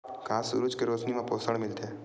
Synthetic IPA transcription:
kaːsṵɾuːt͡ʃkeɾosniʋãposəɽmɪlt̪e

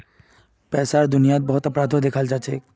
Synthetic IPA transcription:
pɛːsaɾd̪ʊnijat̪̚bɔɦʊt̪əpɾad̪ʱod̪ekʰald͡ʒaːt͡ʃʰeː

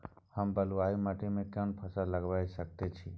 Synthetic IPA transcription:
həmbəluaimaʈʰimẽkanpʰəsaləɡʋaːjsək̚t̪et͡ʃʰi

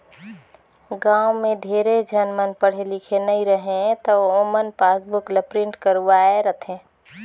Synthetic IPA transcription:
ɡãumeɖʱeɾed͡ʒʱənmənpəɽ̤elikʰenəiɾəɦẽt̪ɔomənpasbukləpɾiɳʈkəɾuʋaeɾət̪ʰẽ

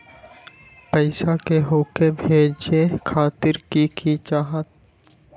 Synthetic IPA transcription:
pəɪsakeɦoːkebʱeːd͡ʒekʰaːt̪ɪɾkikit͡ʃaːɦət̪

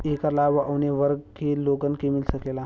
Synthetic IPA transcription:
ekəlaʋəʔəwneʋəɾɡkeloɡənkemilsəklela

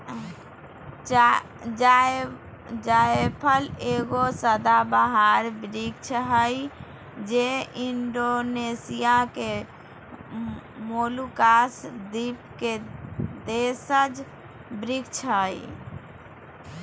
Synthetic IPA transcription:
d͡ʒaepʰəleɡosəd̪abaɦaɾbɾikt͡ʃʰɦəj | d͡ʒeinɖonesijake | molukasd̪ipked̪esəd͡ʒ | bɾikt͡ʃʰɦəj

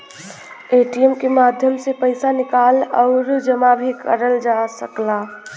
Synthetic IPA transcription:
eːʈijəmkemaːd̪ʱjəmsepəɪsanɪkaːlɔʊɾd͡ʒəmabʱikəɾəld͡ʒasəklaː

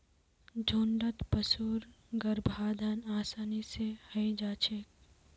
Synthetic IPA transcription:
d͡ʒʱoːɳɖət̪pəsuːɾ | ɡəɾbʱaːd̪ʱanaːsaːnisehɐid͡ʒaːt͡ʃʰek

